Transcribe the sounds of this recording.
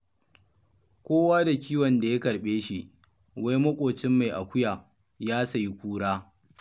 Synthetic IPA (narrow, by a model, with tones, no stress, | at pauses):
kʷoː˦waː˦da˨kʲiː˦wɔ˨nda˨je˦kɐ˨ɽɓeː˦ʃi˦ʔ | wa˦jmɐ˦kʷʼoː˨t͡ʃɪ˦mːa˨jʔa˨kʷʊ˦jaː˨ | jaː˦sa˨ji˦kʷuː˦ɽaː˦